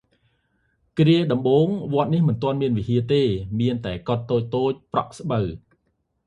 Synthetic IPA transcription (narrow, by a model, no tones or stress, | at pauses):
kriəɗɑmɓoːŋʋŏət̪̚nihmɨnt̪ŏənmiənʋiɦiət̪eːmiənt̪aɛkot̪ːoːc̚t̪oːc̚prɑ̰ʔsɓəw